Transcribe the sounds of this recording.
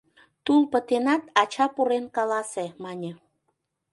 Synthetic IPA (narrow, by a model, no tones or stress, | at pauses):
t̪ulpət̪enɑt̪ɑt͡ɕɑpuɾenkɑlɑsemɑnʲə